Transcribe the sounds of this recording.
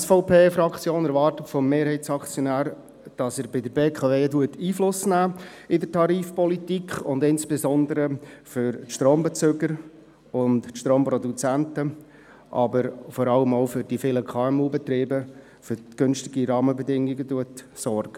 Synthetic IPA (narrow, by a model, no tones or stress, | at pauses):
sfɔʊpʰeːfɾɑkt͡sjoːnɛɾvɑːrtətfɔmːeːɾhɛɪt͡sɑkt͡sjɔnæːɾ | d̥ɑsəɾbɪdəɾbeːkʰɑveːtuətiːflʊsnæː | ɪdətʰɑɾiːfpɔlitikʰχʊndɪnsb̥ezɔnd̪əɾəføɾtʃtroːmbɛt͡søɡəɾ | ʊntʃtɾoːmpɾɔdut͡sæntə | ʔɑ̰bəɾfɔɾɑləmoʊfʏɾd̥ifɪləkʰɑːɛmuːbɛt̪ɾiːbə | føɾɡ̥ɵnsʃtɪɡiɾɑːməbɛdɪŋːiɡətuətsɔrɡ̥ə